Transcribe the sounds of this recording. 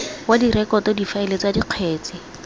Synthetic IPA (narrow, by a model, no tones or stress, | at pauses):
wadirɛkɔtɔdifaɪlet͡sadiq͡χʰweːt͡sɪ